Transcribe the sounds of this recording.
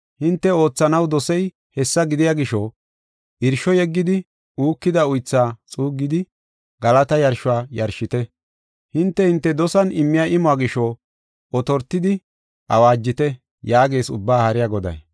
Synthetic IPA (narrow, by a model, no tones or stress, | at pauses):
hɪnt̪ːɛo̞ːt͡sːɐnɐwd̪ɔsɛj | hɛsːɐɡɪd̪ɪjaːɡɪʃɔ | ʔɪɾʃɔjɛɡːɪd̪ɪ | uːkːɪd̪ɐʊjt͡sːaːt͡sʼuːɡːɪd̪ɪ | ɡɐlɐt̪ɐjɐɾʃʊaːjɐɾʃɪt̪ɛ | hɪnt̪ːɛhɪnt̪ːɛd̪ɔsɐnɪmːɪjaʔɪmɔaːɡɪʃɔ | ɔt̪ɔɾt̪ːɪd̪ɪ | ʔɐ̰waːd͡ʒːɪt̪ɛ | jaːɡe̞ːsʊ̰bːaːhɐɾɪjaɡɔd̪ɐ̰j